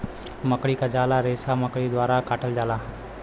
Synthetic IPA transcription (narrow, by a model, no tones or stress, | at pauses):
məkɽikad͡ʒaːlaɾeːsaməkɽid̪waːɾakaːʈʰəld͡ʒaːlaː